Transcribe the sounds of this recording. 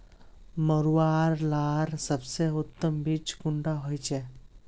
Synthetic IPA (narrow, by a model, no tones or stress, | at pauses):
məɾwaɾlaɾsəbseut̪ːəmbiːt͡skuɳɖaɦojt͡ɕɛ